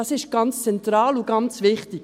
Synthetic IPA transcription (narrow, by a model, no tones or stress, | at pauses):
ɑsɪʃɡ̥ɑnt͡st͡sɛnt̪ɾɑːluɡɑnt͡svɪχtɪk